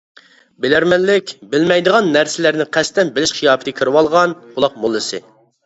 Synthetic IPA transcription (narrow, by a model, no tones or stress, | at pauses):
bɪlæɾmɛnlɪkʲbɪlmɛjd̪əʁɑnːæɾsɪlæɾnɪqʰɛst̪ɛnbɪlɪʃχʰijɑːpɪt̪ʰɪkʲʰiɾɪwɑlˠʁɑnbʊlˠɑq̚molˠːɨsɨ̰